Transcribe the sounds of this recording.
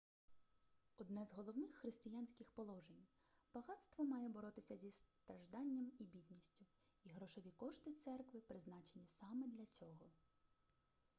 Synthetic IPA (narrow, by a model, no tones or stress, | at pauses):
ɔd̪nɛzɦɔlˠɔwnɪxːɾɪst̪ɪjanʲsʲkʲɪxpɔlˠɔʒenʲ | b̥ɐɦɑt̪st̪ʋɔmɑjɛbɔɾɔt̪ɪsʲɐzʲist̪ɾɐʒd̪ɑnʲːɐmibʲid̪ʲnʲisʲtʲʊ | iɦɾɔʃɔʋʲikɔʃt̪ɪt̪sɛrkʋɪpɾɪznɑt͡ʃenʲisɑmɛd̪lʲɐt͡sʲɔɦɔ